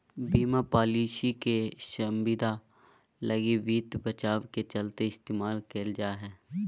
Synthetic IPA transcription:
biːmapaːliːʃikeʃɐmbid̪ʱa | lɐɡiʋiːt̪bɐt͡ʃaːʋket͡ʃɐlt̪eɪst̪eːmaːlkeld͡ʒaːɦɛː

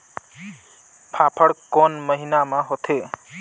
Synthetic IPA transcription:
pʰapʰəɽkɔnməɦinamãɦot̪ʰe

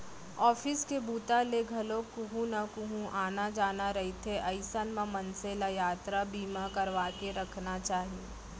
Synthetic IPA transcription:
ɔːfɪskebuːt̪aleɡʱɐlõkuɦũnakuɦũʔaːnad͡ʒaːnaɾɐɦit̪ʰeʔɐɪsənmãmɐnselajaːt̪ɾabiːmakɐɾʋaːkeɾɐkʰnat͡ʃaːɦieː

